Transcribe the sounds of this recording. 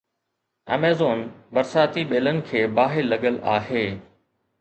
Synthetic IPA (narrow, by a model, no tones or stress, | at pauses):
ɐ̰meːzoːnbɐɾsaːt̪iɓeːlənɪ̆kʰeːbaːɦɪɾːɐɡəla̰ːɦeː